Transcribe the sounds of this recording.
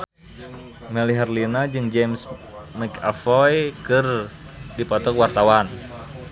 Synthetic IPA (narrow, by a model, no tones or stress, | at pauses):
mɛliɦɛrlinad͡ʒɨŋd͡ʒɛmsmɛkafɔjkɨrdipɔt̪ɔkwart̪awan